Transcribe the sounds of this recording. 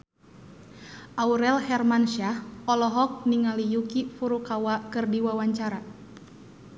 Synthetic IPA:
ʔauɾɛlhɛrmanʃahɔlɔɦɔk̚niŋalijukifuɾukawakɨrdiwawaɲt͡ʃaɾa

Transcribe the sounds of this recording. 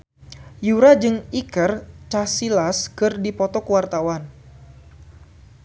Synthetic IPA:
juɾad͡ʒɨŋikərt͡ʃasilaskɨrdipɔt̪ɔkəwart̪awan

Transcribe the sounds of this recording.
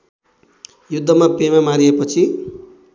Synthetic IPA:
jud̪ʱːʌmapemamaɾiepʌt͡sʰi

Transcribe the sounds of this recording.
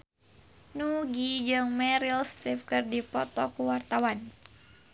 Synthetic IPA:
nuɡid͡ʒɨŋmɛɾilst̪ifkɨrdipɔt̪ɔkuwart̪awan

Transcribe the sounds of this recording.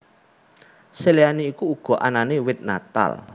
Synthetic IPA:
seleaniikuːɡ̥ɔ̤ʔa̰nanewɪt̪̚na̰t̪a̰l

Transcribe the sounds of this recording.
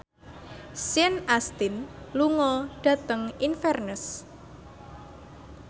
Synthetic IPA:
sjɛnast̪ɪnluŋɔɖ̥ä̤t̪əŋinfɛrnəs

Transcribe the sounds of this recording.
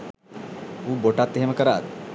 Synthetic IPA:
uːboʈat̪ːeɦeməkəɾaːd̪

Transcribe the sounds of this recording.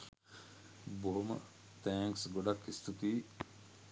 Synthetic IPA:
boɦomə̰ | t̪æːŋksɡoɖɐkist̪ʰut̪iː

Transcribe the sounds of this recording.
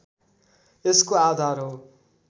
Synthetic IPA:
eskoaːd̪ʱaːɾɦo

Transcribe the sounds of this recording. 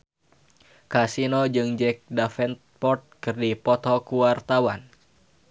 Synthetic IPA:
kasinod͡ʒɨŋd͡ʒɛk̚dafɛnt̪̚pɔrt̪̚kɨrdipɔt̪ɔkuwart̪awan

